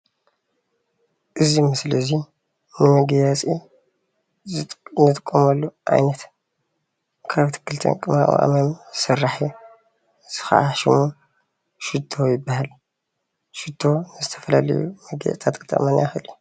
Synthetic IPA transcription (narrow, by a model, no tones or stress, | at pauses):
ʔɨzimɨslɨzi | nɨmɨɡjat͡sʼḭ | nɨt̪ʼɨkʼːomɐlːuʔa̰jnɐt̪ | kʰaβt̪ʰɨ̥kʰːɨlt̪ʰɐ̰nkʼɨmaa̰ʔa̰mɐmsɨrːaħi | z̥ɨxa̰ʔaʃɪmu | ʃɨd̪ʰojɪbːahal | ʃɨd̪ʰo̞nɨzɨt̪ʰɐ̥fɐlalɐ̰jṵmɨɡ̰t̪ʰat̪kʼɨt̪ʼɐ̰manaxɨliu